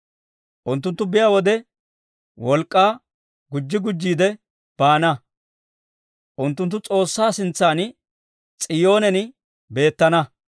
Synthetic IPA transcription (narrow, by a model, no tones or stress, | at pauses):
ʔʊnt̪ːʊnt̪ːʊbɪjaːwɔd̪ɛ | wɔlkʼːaː | ɡʊd͡ʒːɪɡʊd͡ʒːiːd̪ɛ | b̥aːnɐ | ʔʊnt̪ːʊnt̪ːʊt͡sʼo̞ːsːaːsɪnt͡sːaːn | t͡sʼɪjo̞ːnɛnɪ | be̞ːt̪ːɐnɐ